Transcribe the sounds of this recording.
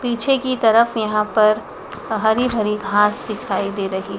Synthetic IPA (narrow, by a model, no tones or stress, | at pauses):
piːt͡ʃʰekit̪ɐɾəfjɐɦãpɐɾ | ɦɐɾibʱɐɾiɡʱãːsd̪ɪkʰaːid̪eːɾɐɦi